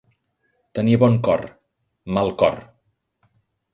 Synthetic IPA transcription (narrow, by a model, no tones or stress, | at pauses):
t̪əniβɔŋkɔr | malˠkɔ̰r